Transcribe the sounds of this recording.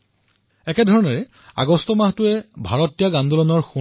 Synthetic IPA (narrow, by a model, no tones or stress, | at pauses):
ɛkɛdʱɔɹɔnɔɹɛ | a̰ɡɔstɔmahtʊɛbʱaɹɔtijaɡandɔlɔnɔɹxu